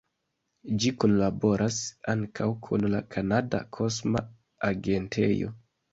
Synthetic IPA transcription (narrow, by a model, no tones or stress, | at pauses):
d͡ʒikonlabo̞ɾʔasaŋkʰawkʰunlakʰanada̰kʰo̞sma̰ | aɡe̞ntʰḛjo̰